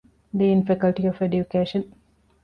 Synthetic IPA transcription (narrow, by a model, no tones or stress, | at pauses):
d̪iinfikɐlʈiɔfeɖjukeːʃə̃n